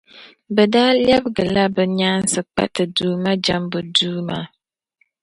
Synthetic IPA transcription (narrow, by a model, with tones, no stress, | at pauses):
bɛ˨daː˦ljɛ˦bɡɨ˨la˦bɛ˨ɲaː˦n˦sɨ˨k͡pa̰˦tɨ˨duː˨˦ma˦d͡ʒa˦mbu˨duː˦ma˦˨